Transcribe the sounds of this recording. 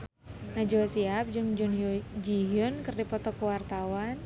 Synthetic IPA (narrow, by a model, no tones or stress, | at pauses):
nad͡ʒuasiap̚d͡ʒɨŋd͡ʒʊnd͡ʒiɦʊnkɨrdipɔt̪ɔkuwart̪awan